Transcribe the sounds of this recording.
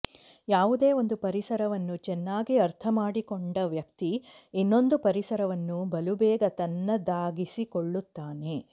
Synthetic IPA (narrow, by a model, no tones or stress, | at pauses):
jaːʋud̪e̞ːo̞nd̪upɐɾisɐɾɐʋɐnːut͡ʃɛnːaːɡiɐɾt̪ʰɐmaːɽikɔɳɖɐʋjɐkt̪iːnːo̞nd̪upɐɾisɐɾɐʋɐnːubɐlubɛːɡɐt̪ɐnːɐd̪aːɡisikoɭːut̪ːaːne̞